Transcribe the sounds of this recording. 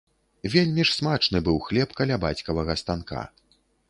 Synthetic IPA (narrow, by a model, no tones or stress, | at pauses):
vʲelʲmʲiʂsmat͡ʂnɨbɨwxlʲɛpkalʲabat͡sʲkɐvɐɣɐst̪anka̰